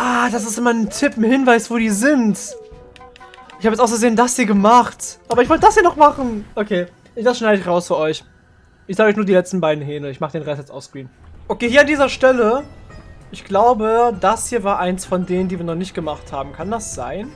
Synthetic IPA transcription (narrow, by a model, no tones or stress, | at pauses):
ʔaːd̥as̬ɪstʔɪmɐntʰɪpn̩hɪnvaɪsv̥oːdiːzɪnt | ʔɪçhaːbjɛt͡sʔaʊsɡəzeːndasd̥iːɐɡəmaχtʔaːbɐɪçvɔltəd̥ashiːɐnɔχmaχn̩ʔokʰeː | ʔɪçd̥asʃnaɪdəɪçʁaʊsfyːɐʔɔʏç | ʔɪçz̥aːɡɔçnuːɐdiːlɛt͡stn̩baɪdn̩ɦɛːnəɪçmaːχədeːnʁɛstjɛt͡stʔa̰ʊsɡ̥ʁ̥iːnʔokʰeːhiɐandiːzɐʃtɛlə | ʔɪçɡ̥laʊbədashiːɐvaːɐʔaɪnsfɔndeːnəndiːviːɐnɔχnɪçt̚ɡ̥əmaχthaːbm̩kʰandasz̥aɪn